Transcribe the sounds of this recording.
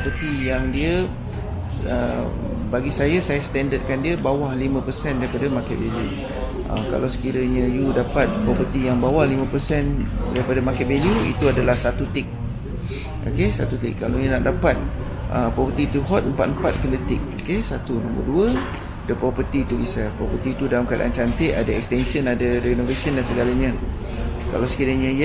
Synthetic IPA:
pɔpərt̪ijaŋdiə | ə̰ | baɡisajasajasə̥t̪ɛndəd̪̚kandiəbawahlimə̃pərsɛndaɾipadamakɛʔbeliu | ʔə̰ka̰lawsə̥kiɾəɲə̃judapat̪̚pɾɔpərt̪ijaŋbawahlimə̃pərsɛndaɾipadamakaʔbelijuḭt̪uadalahsat̪ut̪ɪk̚ | o̰kesat̪ut̪ɪ̰kːalaɲunaʔdapat̪̚ | ʔə̰pɾɔpərt̪it̪uɦɔt̪̚əmpat̪̚əmpat̪̚kəndət̪ɪk̚okesat̪unɔ̃mbə̰rduə | adəpɾɔpərt̪iːt̪ubisapɾɔpərt̪iːt̪udalamkada̰ʔa̰nt͡ʃant̪ɪʔadaɛ̰k̚st̪ɛnsənadaɾɛinovesəndansəɡalaɲə̃ | ka̰lawsə̥kiɾaɲə̃j

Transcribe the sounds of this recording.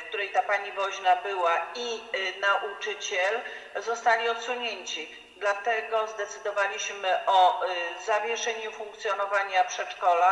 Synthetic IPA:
fk̚t̪uɾɛjt̪apaɲivɔʑnabɘwainaʔut͡ʂɘt͡ɕɛl | zɔst̪alʲiɔt̪suɲeɲt͡ɕi | d̪lat̪ɛɡɔzd̪ɛt̪sɘd̪ɔvalʲiɕmɘʔɔzavʲjɛʂɛɲufuŋk̚t̪sʲjɔnɔvaɲapʂɛt͡ʂkɔla

